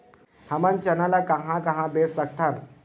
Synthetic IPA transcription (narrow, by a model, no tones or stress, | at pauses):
həmãnt͡ʃənalakɐɦãkəɦãbessək̚t̪ʰan